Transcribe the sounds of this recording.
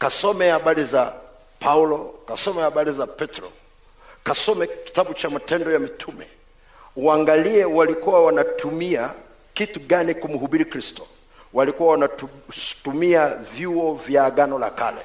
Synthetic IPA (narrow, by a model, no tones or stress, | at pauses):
kasɔmɛhaɓaɾiza | pʰaulɔkasɔmɛhaɓaɾizapɛtɾɔ̰ | kasɔmɛki̥taɓut͡ʃamatɛndɔjamitʰumɛ̰ | uaŋɡaliɛwalikuwawanatʰumia | kituɠanikum̩huɓiɾikɾistɔ̥ | walikuwawanatumiavjuɔvjaːɡanɔla̰ka̰lɛ̰